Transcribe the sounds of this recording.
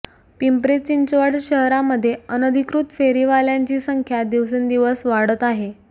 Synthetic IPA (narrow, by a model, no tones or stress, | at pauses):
pimpɾet͡ɕiɲt͡ɕʋəɽɕəɦɾaməd̪ʱːjeənəd̪ʱikɾut̪feɾiʋaljaɲt͡ɕiːsəŋkʰjad̪iʋs̬end̪iʋəsʋaɽ̤ət̪aɦe